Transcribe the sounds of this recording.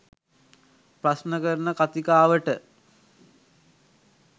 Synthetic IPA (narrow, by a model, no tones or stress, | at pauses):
prasnəkəɾnəkat̪ikaːʋəʈə